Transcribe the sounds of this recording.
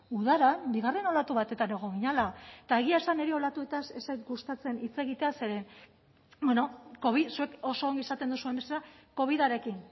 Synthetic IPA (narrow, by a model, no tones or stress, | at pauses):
uðaɾabiɣare̞no̞lat̪uβat̪e̞t̪ane̞ɣ̞o̞ŋɣiɲalat̪ae̞ɣ̞iaesane̞ɾeo̞lat̪ue̞t̪asesajt̪ɡust̪at͡se̞nit͡se̞ɣit̪ease̞ɾe̞ | beno̞ko̞βisue̞ko̞so̞ːŋɡisat̪e̞nd̪usue̞mbeselako̞β̞iðaɾe̞kin